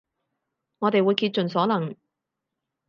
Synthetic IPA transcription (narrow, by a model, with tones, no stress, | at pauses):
ŋɔː˨˧t̪e˨jwuː˨˧jkiː˧t̚t͡ʃɵ˨nsɔː˨˥lɐ˨˩ŋ